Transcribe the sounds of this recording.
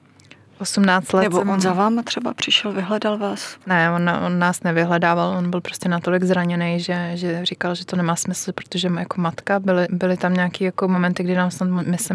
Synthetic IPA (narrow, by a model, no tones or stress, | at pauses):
ʔosumnaːt͡st̪lɛnɛboɛonzavaːmat̪r̥ɛbapr̝̥ɪʃɛlvɪɦlɛdalvaːsnɛonaʔonːaːsnɛvɪɦlɛdaːvalʔonbɪlpɾoscɛnat̪o̞lɪɡzɾaɲɛnɛjʒɛʒɛrikalʒɛt̪onɛmaːsmɪsl̩pɾot̪oʒɛjako̞mat̪kabɪlɪbɪlɪt̪amɲɛakiːjakomomɛnt̪ɪɡdɪnaːmsnat̪mmɪsɛ